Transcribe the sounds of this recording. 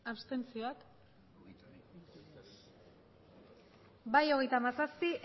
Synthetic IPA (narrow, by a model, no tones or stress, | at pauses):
aβst̪e̞nt͡sioak | bajo̞ɣ̞e̞jt̪amasaspiʔ